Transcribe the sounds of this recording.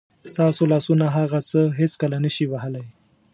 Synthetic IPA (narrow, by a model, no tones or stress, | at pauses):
st̪ɑsolɑsunaɦaɣasəɦeskəlanəʃiwaɦəlaj